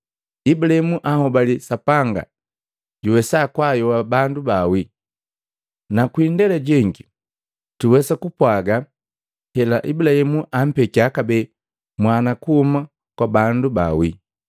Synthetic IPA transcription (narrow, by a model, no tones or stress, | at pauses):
ibulahimuʔahɔbalisapaŋɡa̰ | ɟuwɛsakwajɔwabandubawi | nakwindɛlɛɟɛŋɡi | tuwɛsakupwaɡa | hɛlaʔibulahimuʔam̩pɛkiakabɛ | mwanakuhuma | kwabanduba̰wi